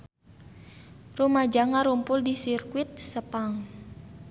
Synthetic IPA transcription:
rumad͡ʒaŋaɾumpʊldisirkuit̪̚səpaŋ

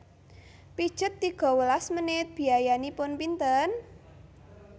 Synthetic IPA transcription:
pi̥ʒ̥ət̪ːiɡ̥ɔ̤wəlasmənɪt̪̚b̥i̤ajanipʊnpint̪ən

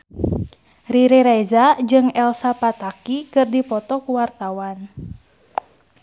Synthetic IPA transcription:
riɾeɾɛzad͡ʒɨŋɛlsapat̪akikɨrdipɔt̪ɔkuwart̪awan

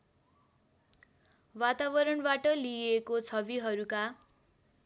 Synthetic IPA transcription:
wat̪aβʌɾʌɳbaʈʌliekot͡sʰʌbiɦʌɾuka

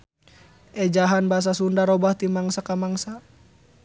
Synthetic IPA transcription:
ɛd͡ʒaɦanbaɦas̬asundaɾɔbaht̪imaŋsakamaŋsa

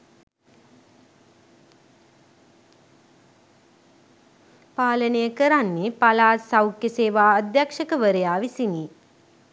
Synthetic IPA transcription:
paːlənəjəkəɾanːepalaːsawkjəseːʋaːəd̪jakʂəkəʋəɾəjaːʋisiniː

